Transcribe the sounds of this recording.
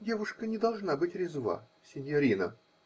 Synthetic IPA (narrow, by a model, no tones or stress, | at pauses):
dʲevʊʂkənʲɪd̪ɐlˠʐnabɨtʲɾʲɪzva̰ | sʲɪnʲjɐɾʲinə̰